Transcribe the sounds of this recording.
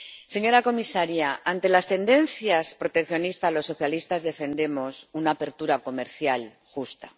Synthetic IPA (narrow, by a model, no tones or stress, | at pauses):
seɲo̞ɾako̞misaɾjaant̪e̞last̪e̞nd̪e̞n̟θjaspɾo̞t̪e̞kθjo̞nist̪alo̞sːo̞θjalist̪azðe̞fe̞nd̪e̞mo̞sunaːpe̞ɾt̪uɾako̞me̞ɾθjal | xust̪ḁ